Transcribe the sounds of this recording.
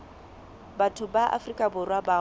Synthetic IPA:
batʰʊbaʔa̰frikʼabʊrwaba

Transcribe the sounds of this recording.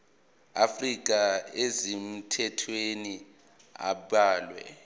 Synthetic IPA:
afrik̬ʼaezim̩tʰɛtʰweni | a̰ɓaːlwɛ̰

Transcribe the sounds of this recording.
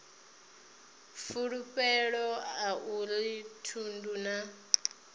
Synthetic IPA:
fuɺupʼɛɺɔaʔulitʰunduna

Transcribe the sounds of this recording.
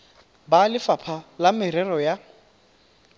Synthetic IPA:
balɪfapʰalamɪɾɛrɔja

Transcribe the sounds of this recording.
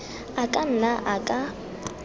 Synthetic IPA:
akʼan̩naʔakʼa

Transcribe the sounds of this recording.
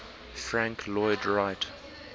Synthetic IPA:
fɹãŋkʰlɔɪdɹaɪt

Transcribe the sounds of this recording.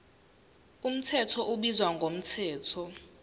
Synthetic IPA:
um̩tʰɛtʰɔʔuɓizwaŋɡʱom̩tʰɛːtʰɔ

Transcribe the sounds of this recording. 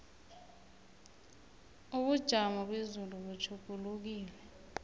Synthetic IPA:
uɓud̥ʒ̥ʱamɔɓezuluɓut͡ʃʰukuluk̬iːlɛ

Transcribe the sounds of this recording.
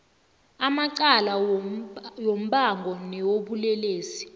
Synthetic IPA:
amaǀala | jom̩ɓaŋɡʱɔnɛwoɓulɛleːsi̥

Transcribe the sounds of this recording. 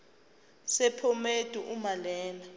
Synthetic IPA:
sɛpʰɔmed̥ʱuʔumalɛːna

